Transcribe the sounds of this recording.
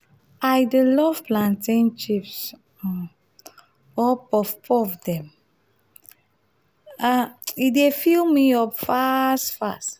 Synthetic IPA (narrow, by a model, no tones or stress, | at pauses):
ajdəlɔv̥plãntĩnt͡ʃips | ɔpɔfpʰɔfdɛ̃m | aidefilmiɔpfastfa̰st